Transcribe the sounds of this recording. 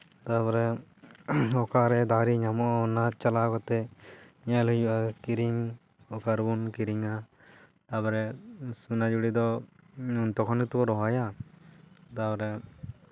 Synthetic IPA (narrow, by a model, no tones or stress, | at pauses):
t̪apɔɾɛ | ɔkaɾɛd̪aɾiɲamɔʔnat͡ʃalakɔt̪ɛɲɛlujuʔakiɾiŋ | ɔkaɾbunkiɾiŋa | t̪abɔɾɛsunad͡ʒuɽid̪ɔ | unt̪ɔkʰɔnkit̪ukɔɾɔɦaja | t̪abɔɾɛ